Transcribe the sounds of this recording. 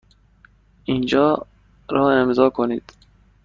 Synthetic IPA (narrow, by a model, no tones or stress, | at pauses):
ind͡ʒɒː | ɾɒːemzɒːkʰoniːd̪̥